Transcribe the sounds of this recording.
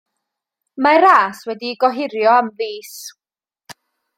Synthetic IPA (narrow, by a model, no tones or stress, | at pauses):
maɾaːswɛdiɡɔɦɪɾjɔamðiːs